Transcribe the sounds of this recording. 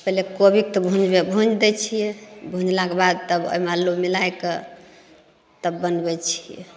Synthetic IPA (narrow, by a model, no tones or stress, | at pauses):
pɛɦlekobik̚t̪ɔbʱũd͡ʒbebʱũd͡ʒd̪ɛt͡ʃʰijɛbʱũd͡ʒlakebad̪̚t̪əbo̰malːomilajkə | t̪əbːənbɛt͡ʃʰijɛ̰